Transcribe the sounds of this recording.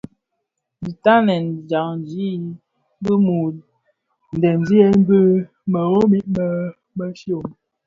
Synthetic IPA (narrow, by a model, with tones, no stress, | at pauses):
bi˨ta˦nɛ˨nd͡ʒa˨ŋn˨d͡ʒi˦ | bə˦mu˨ | n̩˨dɛ˨n˨d͡ʒi˦ɛ˦m̩˦bə˦ | mə˨ɣo˦mi˦ʔmə˦ | mə˦ʃo˦˨m